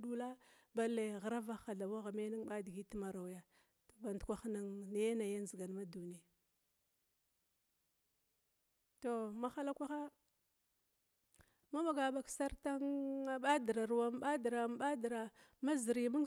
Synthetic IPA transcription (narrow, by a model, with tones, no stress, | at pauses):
ɗu˦la˦ | ba˦lːe˨ɣa˨ɾa˦va˦xa˨ɮa˨wa˦ɣa˨me˦ni˦ŋɓa˦di˨ɡi˦ti˦ma˨ɾa˨wja˦ | to̥˨ba˨ndkʷa˦xna˦ŋna˨ja˦na˨ja˦n˦zi˨ɡa˨n˨ma˦du˨ni˨ | to˨ma˦xa˦la˦kʷa˦xa˦ | ma˦ma˨ɡa˨ɓa˨ksa˦ɾta˦ŋa˦ɓa˦di˨ɾa˨ɾu˨wa˦m˦ɓa˦dɾa˨m˦ɓa˦dɾa˨ | ma˦zi˨ɾi˦˨ma˦ŋ